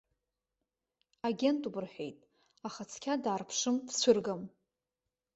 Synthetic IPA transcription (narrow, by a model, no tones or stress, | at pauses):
aɡʲe̞ntʼubɨrħejtʼ | aχat͡sʰkʲʰadaːrpʰʂɨmpʰsʷʰʊrɡam